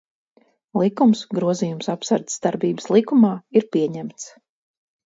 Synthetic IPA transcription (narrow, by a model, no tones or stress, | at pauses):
lˠikumsɡɾuɔziːjumsapsaɾt̪d̪aɾbiːbəslˠikumaːiɾpiɛɲæmt̪s